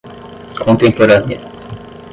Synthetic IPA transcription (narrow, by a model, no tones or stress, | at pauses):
kʰõnt̪ẽmpoɾanjḛ